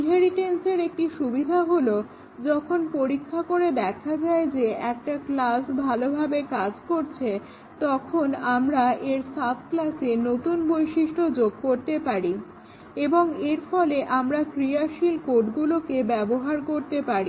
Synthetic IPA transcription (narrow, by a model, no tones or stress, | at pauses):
ɦeɾiʈenseɾek̚ʈiʃubid̪ʱaɦolo | d͡ʑɔkʰonpoɾikʰːakoɾed̪ɛkʰad͡ʑaed͡ʑeɛk̚ʈaklasbʱalobʱabekad͡ʑkoɾt͡ɕʰe | t̪ɔkʰonamɾaeɾsat̪̚ʰklasenot̪unbojʃiʃʈod͡ʑoɡ̚koɾt̪epaɾi | eboŋeɾfɔleʔamɾakɾiaʃilkoʈɡulokebɛboɦaɾkoɾt̪epaɾi